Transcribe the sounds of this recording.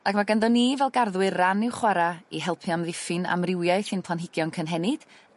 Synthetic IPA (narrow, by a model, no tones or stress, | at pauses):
akʰmaɡandɔnːivɛlˠɡarðwɨrːanɪwχwaɾaiɦɛlˠpʰjamðɪfɨna̰mrɪwjaɨθɨnpʰlˠanɦɪɡjɔnkʰənɦɛnɪd̥